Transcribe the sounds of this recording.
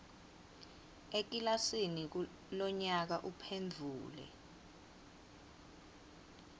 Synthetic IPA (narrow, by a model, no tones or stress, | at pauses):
ek̬ʼilasinik̬ | lɔɲak̬aʔupʰend͡ɮʱuːlɛ̰